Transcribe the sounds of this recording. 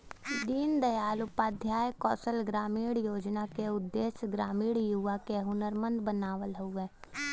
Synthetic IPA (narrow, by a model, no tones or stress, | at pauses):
d̪iːnd̪əjaːlʊpaːd̪ʱjaːjkɔːsəlɡɾaːmiːɽjoːd͡ʒnakeʊd̪ːeːsɡɾaːmiːɽjuʋakeɦʊnəɾmə̃nd̪bənaːʋəlɦoeː